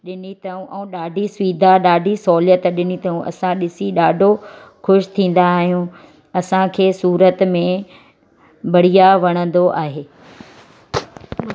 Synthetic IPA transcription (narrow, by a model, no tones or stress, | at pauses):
ɗɪnit̪ɐũʔɛ̃ːɗaːɖʱisʋiːd̪ʱaɗaːɖʱisɔːljət̪ɗɪnit̪ɐũʔɐ̰sãɗɪsiɗaːɖʱo | xʊʃt̪ʰĩːn̆d̪aːɦijũ | ɐsãkʰeːsuːɾət̪mẽ | bɐɽ̤ijaʋɐɽ̃ə̃n̆d̪oʔaːɦeː